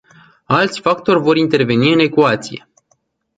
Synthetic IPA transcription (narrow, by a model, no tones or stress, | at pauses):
alt̪sʲfakt̪o̞rʲvo̞ɾint̪e̞rve̞niɨne̞kuat̪sije̞